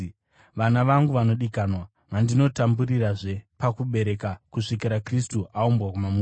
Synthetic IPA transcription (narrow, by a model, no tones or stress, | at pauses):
ʋanaʋaŋɡuʋano̞ɗikaːnwa | mandino̞tamburiraʐe̞pakuɓe̞ɾe̞kakuʂikeɾakristuʔaumbwakumamu